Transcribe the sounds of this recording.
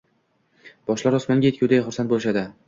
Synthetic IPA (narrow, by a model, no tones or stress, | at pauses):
b̥ɒʃlaɾɒsmanɡʲajekʰʲʊwd̪aχʊɾsant̪̚bolˠɪʃad̪ɪ